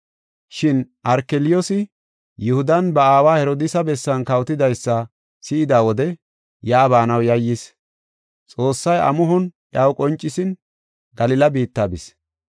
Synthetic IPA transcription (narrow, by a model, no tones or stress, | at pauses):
ʃɪnʔɐɾkɛlɪjosɪ | jʊhʊd̪ɐnbɐaːwaːhɛɾɔd̪ɪsɐbɛsːɐnkɐwt̪ɪd̪ɐjsːɐ | sɪɪd̪aːwɔd̪ɛ | jaːbaːnɐwjɐjːɪs | t͡sʼo̞ːsːɐjʔɐ̰mʊɦɔnʔjawkʼɔnt͡ʃʼːɪsɪn | ɡɐlɪlɐbiːt̪ːaːbɪs